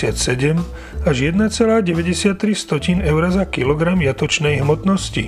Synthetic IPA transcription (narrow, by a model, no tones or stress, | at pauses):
ɪat̪sɛɟɛm | aʒjɛd̪nat͡sɛlaːɟɛʋɛɟɛsɪat̪ːɾist̪ɔcinɛʊɾazakilɔɡɾamjat̪ɔt͡ʃnɛjɦmɔt̪nɔscḭ